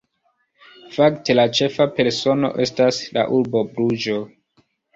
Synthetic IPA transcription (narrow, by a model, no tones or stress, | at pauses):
fakte̞lat͡ʃe̞fape̞ɾso̞no̞̰ʔe̞stasla̰ʔuɾbo̞bɾud͡ʒo̞